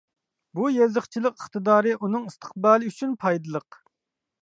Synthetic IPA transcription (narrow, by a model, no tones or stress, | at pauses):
bujezəχt͡ʃʰilˠəqəχt̪ɨd̪ɑːɾɨʔunɨŋist̪ʰə̥q̚bɑːlˠɨyt͡ʃʰynpʰɑjd̪ɨlˠəq